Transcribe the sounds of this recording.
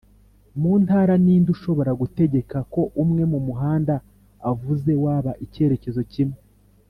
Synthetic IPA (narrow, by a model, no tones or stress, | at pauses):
muːntaːɾaniːnduʃo̞βo̞ɾaɡute̞ɟe̞kako̞ʔumŋe̞mumuɦaːndaː | vuze̞waːβaʔice̞ɾe̞ce̞zo̞cimŋe